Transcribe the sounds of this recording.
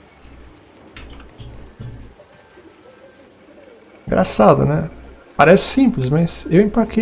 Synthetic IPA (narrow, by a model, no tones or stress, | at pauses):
ɡɾʔa̰sad̪ɐ̰nɛ | paɾɛsɪ̥sĩplɪzmɐsewẽpaɾkʰe